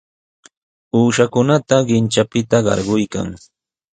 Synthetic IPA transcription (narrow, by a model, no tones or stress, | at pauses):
uːʃakʊnat̪aɢɪnt͡ʃapɪt̪aɢɑ̰ɾɢʊjka̰ŋ